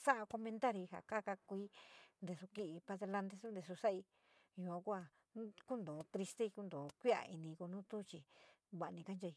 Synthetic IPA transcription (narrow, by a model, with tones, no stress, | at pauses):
sa˦ʔa˧ko˧mẽ˧nt̪a˦ɾi˧ɦa̰˨ka˦ka˧kʷiː˦nd̪e˧su˧ki˧ʔi˧pa˧ðe˧la˧nd̪e˧su˦nd̪e˧su˧sa˦ʔi˧ | jũ˧ã˧˦kʷu˦a˧ | ku˦nd̪õː˨t̪ɾi˧st̪e˦˧i˧ku˦nd̪õː˨kʷi˦a̰˧˨ʔi˧nĩ˧ku˧nũː˦t̪u˦˧t͡ʃi˧ | βa˧˨˧nĩ˧ka˦nd͡ʒa˧i˧